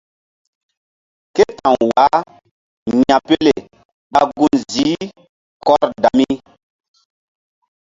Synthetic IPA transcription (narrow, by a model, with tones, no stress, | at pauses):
ke˦ta˨ŋwa˨˦ | ɲã˨pe˦le˨ | ɓa˦ɡũ˦nzi˨˦ | kɔ˦ɾda˨mi˦